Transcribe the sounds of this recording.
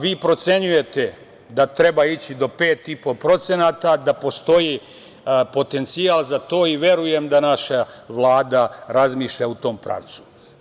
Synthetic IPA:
ʋiːpɾo̞t̪se̞ɲuje̞t̪e̞ | d̪at̪ɾe̞bait͡ɕid̪o̞pe̞ːt̪ipo̞pɾo̞t̪senat̪ad̪apo̞st̪o̞ji | po̞t̪e̞nt̪siaːlˠzat̪o̞ːiʋje̞ɾuje̞md̪anaʃaʋlˠaːd̪aɾazmiːʃʎaut̪o̞ːmpɾa̰ʋt̪su̥

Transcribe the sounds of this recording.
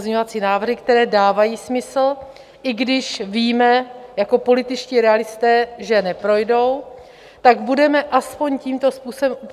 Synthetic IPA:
zɲɲovat͡siːnaːvr̩ɦɪkt̪ɛɾɛːdaːvajiːsmɪsl̩ | ʔɪɡdɪʃviːmɛjako̞po̞lɪt̪ɪt͡ʃciːɾɛalɪst̪ɛːʒɛnɛpɾo̞jdo̞w | t̪aɡbudɛmɛʔaspo̞ɲciːmt̪o̞spuːsobɛmʔup

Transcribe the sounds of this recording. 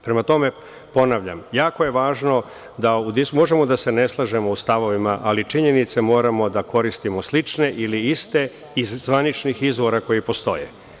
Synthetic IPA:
pɾe̞mat̪o̞me̞ | po̞naʋʎa̰mjaːko̞je̞ʋaːʒno̞ | d̪aud̪iumo̞ʒe̞mod̪ase̞ne̞slˠaʒemo̞ust̪aʋo̞ʋimaʔalit͡ʂiɲe̞nit̪se̞mo̞ːɾamo̞d̪ako̞ɾist̪imo̞slˠit͡ʂne̞ʔiliist̪e̞ | izzʋanit͡ʃnixizʋo̞ɾako̞jipo̞st̪o̞̰jḛ

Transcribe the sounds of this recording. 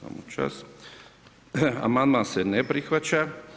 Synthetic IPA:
a̰mut͡ʃa̰s | a̰mand̪mansenepɾixʋat͡ʃa

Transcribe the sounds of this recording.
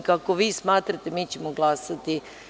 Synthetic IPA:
kakoʋiːsmaːt̪ɾat̪e̞miːt͡ɕemoɡlˠaːsat̪i

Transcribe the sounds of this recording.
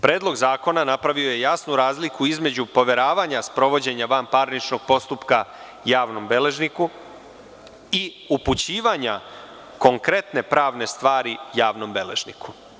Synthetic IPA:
pɾeːd̪lˠo̞ɡzaːko̞nanapɾaʋio̞je̞jasnuɾaːzlikuizme̞d͡ʑupo̞ʋe̞ɾaːʋaɲaspɾo̞ʋo̞d͡ʑe̞ɲaʋampaɾnit͡ʃno̞ɡ̚po̞st̪upka | jaːʋno̞mbe̞le̞ʒniku | i | uput͡ɕiːʋaɲa | ko̞ŋkɾe̞t̪ne̞pɾaːʋne̞st̪ʋaːɾijaːʋno̞mbe̞le̞ʒnikʰu̥

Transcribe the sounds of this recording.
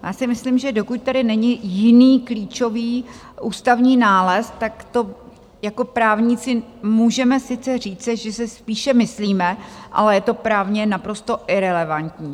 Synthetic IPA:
jaːsɪmɪslimʒɛdo̞kʊc̚t̪adɪnɛɲɪjɪniːkliːt͡ʃo̞viː | ʔuːst̪avɲiːnaːlɛst̪akt̪o̞ | jako̞pɾaːvɲɪt͡sɪmuːʒɛmɛsɪt͡sɛr̝iːt͡sɪʒɛsɛspiːʃɛmɪsliːmɛʔa̰lɛjɛt̪o̞pɾaːvɲɛnapɾo̞st̪o̞ʔɪɾɛlɛvant̪ɲiː

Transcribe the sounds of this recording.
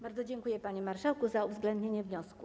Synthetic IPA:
baɾd̪zɔd͡ʑɛŋkujɛpaɲɛmaɾʂawkuzauvzɡlɛnd̪ɲeɲɛvɲɔsku

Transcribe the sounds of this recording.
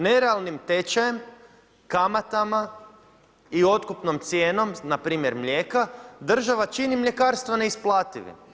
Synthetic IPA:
ne̞ɾealˠnimt̪e̞t͡ʃajem | kamat̪ama | io̞t̪kupnomt̪sje̞ːno̞mnapɾiːmje̞ɾmʎʲe̞ːkad̪r̩ʒaʋat͡ʃinimʎe̞kaːɾst̪ʋaneisplˠaːt̪iʋḭ

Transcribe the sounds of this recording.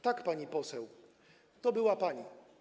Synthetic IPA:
t̪akpaɲipɔsɛw | t̪ɔbɘwapaɲi

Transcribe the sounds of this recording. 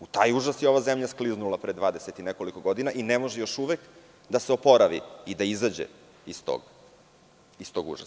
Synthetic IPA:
ut̪aːjuʒasjeoʋazemʎaskliznulˠapɾed̪ʋaːd̪e̞set̪ineko̞liko̞ɡo̞d̪inaʔinemo̞ʒejo̞ʃuʋek | d̪aseopo̞ɾaʋḭid̪aizad͡ʑḛ | ist̪o̰ɡ | ist̪o̞ɡṵʒa̰

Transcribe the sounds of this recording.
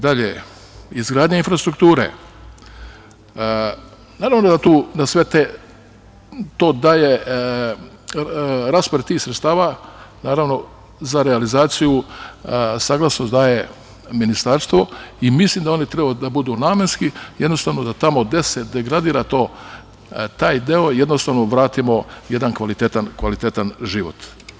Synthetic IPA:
d̪aʎḛ | izɡɾaːd̪ɲainfɾast̪ɾukt̪uːɾḛ | naːɾaːʋno̞d̪at̪uːnasʋet̪e | t̪oːd̪aːje | ɾaːspoɾet̪iːxsɾet̪st̪aːʋanaːɾaʋno̞ | zaɾealizaːt̪siju | saːɡlˠasnosd̪aːje̞ | minist̪aɾst̪ʋo̞imislimd̪ao̞nit̪ɾebad̪abud̪unaːmenskije̞d̪no̞st̪aːʋnod̪at̪amo̞d̪esed̪e̞ɡɾad̪iːɾat̪o̞ː | t̪aːjd̪eoje̞d̪no̞st̪aːʋno̞ʋɾaːt̪imo̞je̞d̪ankʋalit̪et̪ankʋalit̪et̪anʒiʋo̰t̪

